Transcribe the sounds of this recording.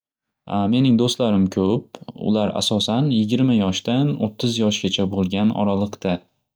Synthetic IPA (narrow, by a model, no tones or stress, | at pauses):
ame̞nɪŋd̪ost̪laɾɪmkʲʰɵp̚ʊ̰laɾa̰sɒsanjɪɡʲɪɾmajɒʃd̪ano̰t̪ʰːɪzjɒʃɡʲat͡ʃʰabolˠɡʲanɒ̰ɾalˠɨqt̪a